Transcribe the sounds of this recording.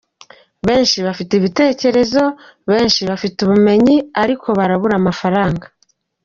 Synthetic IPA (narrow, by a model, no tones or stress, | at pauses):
βe̞ːnʃiβafiteβite̞ːce̞ɾe̞zo̞ | βe̞ːnʃiβafituβume̞ɲiaɾikʰo̞βaɾaβuɾamafaɾaːŋɡḁ